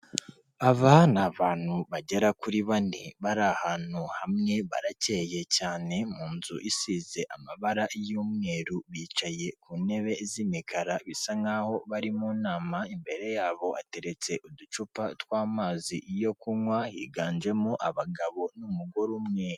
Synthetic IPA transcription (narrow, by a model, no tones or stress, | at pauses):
aβanaβaːn̥huβaɟe̞ɾakuɾiβaniβaɾahaːnuhamŋe̞βa̰ɾace̞je̞caːne̞muːnzṵʔisize̞ʔamaβaɾaʔjumŋe̞ːɾuβiːt͡ʃaje̞kuːne̞βe̞zimikʰaɾaβisaŋɡaho̞βaɾimuːnaːmaimbe̞ɾe̞jaːβo̞a̰te̞ɾe̞t͡se̞ʔudut͡ʃupatwaːmaːziʔjo̞kumwahḭːɡaːnd͡ʒe̞moʔaβaɡaβo̞numuɡoɾumŋeːɾu